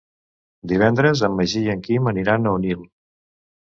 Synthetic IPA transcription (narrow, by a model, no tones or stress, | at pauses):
d̪iβ̞ɛnd̪ɾəzəmːəʒiəŋkiməniɾanəunil